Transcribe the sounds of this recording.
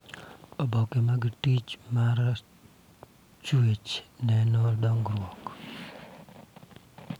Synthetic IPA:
ɔbɔkemaɡtit͡ʃmaɾ | t͡ʃuet͡ʃnɛnɔdɔŋɡɾwɔk

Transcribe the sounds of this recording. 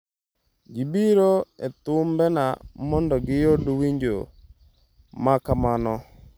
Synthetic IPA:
ɡibiɾoḛt̪ʊmbɛnamɔndɔɡɪjodwiɲd͡ʒo̰ | makamanɔ

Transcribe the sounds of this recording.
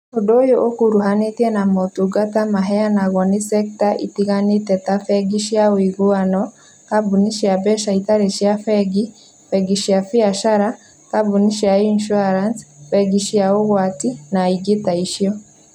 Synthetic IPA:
odojoʔokuɾuɦanet̪jɛnamɔtuɡatamaɦɛanaɣɔnisɛk̚taʔḭtiɣanitɛtafɛɡiʃjaoiɡuanɔ | kabuniʃiabɛʃait̪aɾeʃjafɛɡi | fɛɡiʃiafiaʃaɾa | kabuniʃiainʃuaɾansfɛɡiʃjaoɣwatinaiɡetaiʃjɔ

